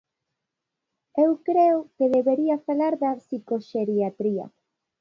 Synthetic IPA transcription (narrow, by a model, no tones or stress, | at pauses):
ewkɾeʊkeðeβeɾiafalaɾðɐsikoʃeɾiat̪ɾiɐ̰